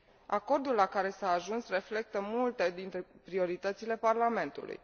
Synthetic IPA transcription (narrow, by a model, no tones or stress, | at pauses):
a̰ko̞rd̪ulːakaɾe̞saːʒunsre̞fle̞k̚t̪əmult̪e̞d̪int̪ɾepɾio̞ɾit̪ət̪sile̞parlame̞nt̪ṵlṵj